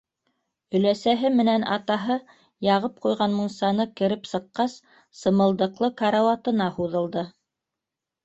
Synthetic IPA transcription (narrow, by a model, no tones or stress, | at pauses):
ɵ̆læsæɦɘmɘ̆nænɑ̰t̪ɑɦɤ | jɑʁɤp̚qujʁɑnmunsɑnɤkɘ̆ɾɘpsɤ̆qːɑsː | ɤ̆mɤ̆lˠd̪ɤ̆qlˠɤkɑɾɑwɑt̪ɤ̆nɑhuðɤ̆lˠd̪ɤ